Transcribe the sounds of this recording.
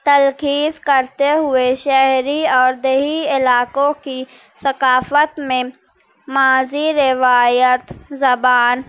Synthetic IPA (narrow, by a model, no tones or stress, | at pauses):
t̪əlkiːzkəɾt̪eɦʊeʃɛɦɾiɔːɾd̪eɦiɪlaːkõki | sɐkaːfət̪mẽ | maːziɾɪʋaːjət̪zɐbaːn